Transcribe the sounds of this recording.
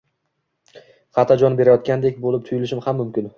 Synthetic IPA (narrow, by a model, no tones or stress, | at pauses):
χɑt̪ʰad͡ʒɒnbe̞ɾajɒt̪̚kʲand̪ekʲbolɪp̚t̪ʰʊjɪlɪʃɪmhamːʊmkʲɪn